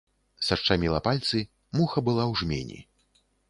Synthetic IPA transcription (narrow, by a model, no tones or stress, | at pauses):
sɐʂt͡ʂamʲilˠɐpalʲt̪sɨ | muxɐbɨlˠawʐmʲḛnʲḭ